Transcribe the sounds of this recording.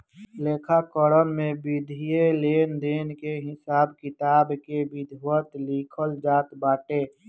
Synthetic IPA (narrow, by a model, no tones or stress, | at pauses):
leːkʰakəɾənmẽbɪd̪ʱijeleːnd̪eːnkeɦɪsaːb̚kɪt̪aːbkebɪd̪ʱwət̪likʰəld͡ʒaːt̪baːʈe